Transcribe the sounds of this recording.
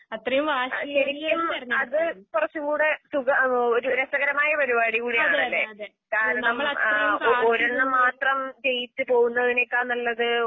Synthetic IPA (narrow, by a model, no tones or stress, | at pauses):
ɐt̪rɐjumʋaːɕɐɾikʲːumɐðɨkurɐt͡ɕːɨkuːɽesuɣɐoɾuɾɐsɐɣɐɾɐmaːjɐpɐɾibaːɽiɣuːɽijaːɳɐlːe̞̰ː | kaːɾɐɳɐm | oɾɐɳːɨmaːt̪rɐmd͡ʑe̞jit͡ɕːɨpo̞ːɣunːɐɐðinejokːaːnːɐlːɐðɨ